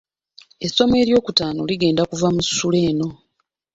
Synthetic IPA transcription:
e̞sːo̞me̞ːɾjo̞ːkutaːnoliɡe̞ːndakuvamusu̥ːule̞ːno̞

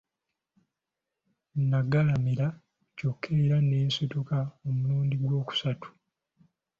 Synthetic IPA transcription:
naɡalamiɾa | cokʰːeɾaneːnsotokaomuluːndiɡwo̞ːku̥satu̥

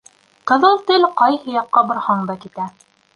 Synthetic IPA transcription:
qɤ̆ðɤlˠt̪ɘlqɑjhɤ̆jɑqːɑbŏɾhɑɴd̪ɑkit̪æ

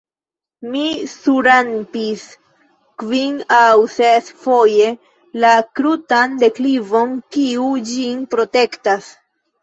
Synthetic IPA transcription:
misuɾanpis | kvinawsesfo̞je̞ | lakɾutande̞klivo̞nkiud͡ʒinpɾo̞te̞ktas

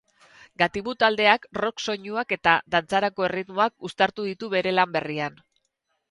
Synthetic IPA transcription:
ɡat̪iβut̪ald̪e̞akro̞kso̞ɲuake̞t̪aðant͡saɾako̞e̞rit̪moakust̪aɾt̪uðit̪uβe̞ɾe̞lambe̞rian

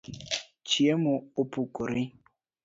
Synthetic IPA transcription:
t͡ʃiemʊopukoɾɪ

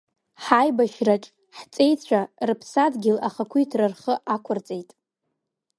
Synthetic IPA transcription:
ħajbaʃraʈ͡ʂʼ | ħt͡sʼe̞jt͡ɕʷʰarɨpʰsadɡʲɪlaχakʷʰujtʰrɨrχəʔakʷʰʊrt͡sʼe̞jtʼ

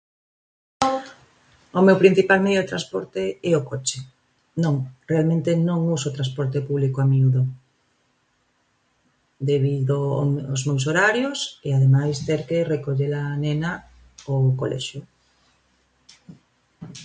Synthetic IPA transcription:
omewpɾin̟θipalmejoðet̪ɾaspɔɾt̪eɛokot͡ʃe | nõŋrealmẽnt̪enõŋusot̪ɾaspɔɾt̪epuβlikoamiuðo | d̪eβiðo̰ozmews̬oɾaɾjoseaðemajst̪eɾkerekoʎelanena | oko̰lʔɛ̰ʃjo

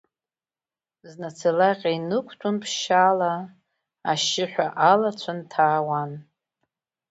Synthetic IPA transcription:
znat͡sʰalaqʲʼainɨkʷʰtʰunpʰʃala | aʃɪħʷᶣaʔalat͡ɕʷʰantʰaːwan

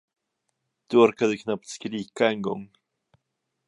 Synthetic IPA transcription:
t̪ʉaɾkaðɪkʰnap̚t̪skɾiːkaɛŋɡɔ̰ŋ

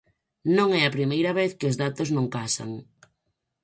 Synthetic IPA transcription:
nõŋɛɐpɾimejɾɐβ̞eθkɪozðat̪ʊznõŋkasa̰ŋ

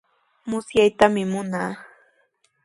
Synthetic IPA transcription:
mʊsjajt̪amɪmʊnaː

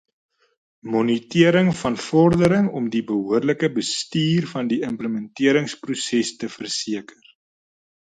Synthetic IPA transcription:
mɔnitiəɾəŋfɐnfɔrdəɾəŋɔmdibəɦuərləkəbəstiːrfɐndiəmpləmɛntiəɾəŋsprusɛstəfərsiəkər

